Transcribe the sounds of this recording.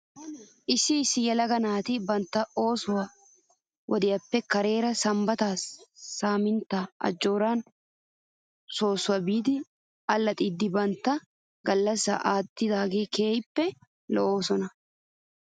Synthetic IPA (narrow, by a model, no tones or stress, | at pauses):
ʔɪsːɪsːɪjɛlɐɡɐnaːt̪ɪbɐnt̪ːɐo̞ːsʊwɐ | wʔɔd̪ɪjɐpːɛkɐɾe̞ːɾɐsɐmbɐt̪aːsːaːmɪnt̪aʔɐ̰d͡ʒːo̞ːɾaːn | so̞ːsʊwɐbiːd̪ɪ | ɐlːɐt̪ʼɪːd̪ːɪbɐnt̪ːɐ | ɡɐlːɐsːɐ̰ʔaːt̪ːɪd̪aːɡeːke̞ːjpːɛ | lɔʔoːsɔnɐ